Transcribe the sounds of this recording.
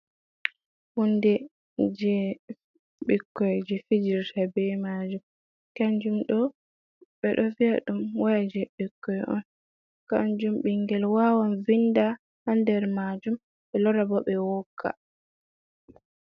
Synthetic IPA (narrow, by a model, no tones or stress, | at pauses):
hundɛ | d͡ʒɛ | ɓikːɔjd͡ʒɛfid͡ʒiɾtʰabɛmaːd͡ʒum | kaɲd͡ʒumɗɔ | ɓɛɗɔviaɗumwajd͡ʒɛɓikːɔjɔ̰n | ka̰ɲd͡ʒumɓiŋɡɛlwawanvinda | handɛɾmad͡ʒum | ɓɛlɔɾabɔɓɛwɔkʰːa̰